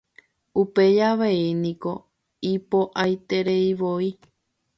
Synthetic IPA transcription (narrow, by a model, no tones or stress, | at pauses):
upe̞jaʋeinĩko̞ | ipo̞ʔajt̪e̞ɾe̞iʋoi